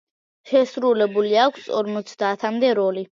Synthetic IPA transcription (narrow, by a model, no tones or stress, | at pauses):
ʃɛsɾulɛbuliakʷʰsɔ̰ɾmɔt̪sʰd̪aːt̪ʰamd̪ɛɾɔli